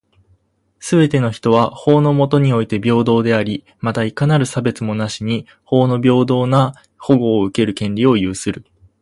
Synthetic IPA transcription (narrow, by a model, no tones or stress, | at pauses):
sɨbe̞t̪e̞no̞çi̥t̪o̞β̞aho̞ːno̞mo̞t̪o̞ɲ̟io̞it̪e̞bʲo̞ːd̪o̞ːd̪e̞aɾʲi | mat̪aikanaɾɯ̟sabe̞t͡sɨmo̞naɕiɲ̟i | ho̞ːno̞bʲo̞ːd̪o̞ːna | ho̞ɡo̞ːɯ̟ke̞ɾɯ̟kẽ̞nɾʲio̞jɯ̟ːsɨɾɯ̟